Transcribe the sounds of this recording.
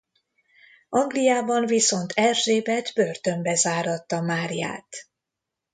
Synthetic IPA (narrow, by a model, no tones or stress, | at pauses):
ɒŋɡlijaːbɒɱviso̞nt̪ʰɛrʒeːbɛd̪børt̪ø̞mbɛzaːɾɒt̪ːɒmaːɾja̰ːt̪